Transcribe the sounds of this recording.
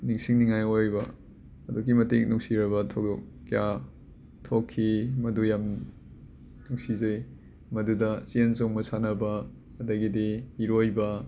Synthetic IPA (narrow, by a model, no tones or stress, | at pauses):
niŋsiŋniŋajojbɐ | ɐduɡimɐtik̚nuk̚siɾɐβɐtʰok̚dɔkː | ja | tʰokʰːimɐdujam | nuksizɐj | mɐdudɐsiensoŋmɐsanɐbɐː | dɐɡidiiɾojbɐ